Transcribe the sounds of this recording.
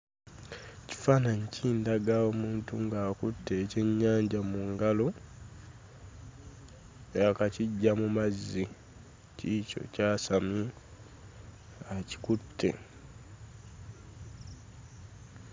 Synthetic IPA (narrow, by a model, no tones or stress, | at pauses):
ci̥faːnaɲcʰiːndaɡao̞ːmuːntuŋɡaːkutːe̞ːce̞ɲːaːɲɟamuŋɡalo̞ | akaciɟːamumazːi | cico̞̰caːsami | aci̥kutʰːe̞̰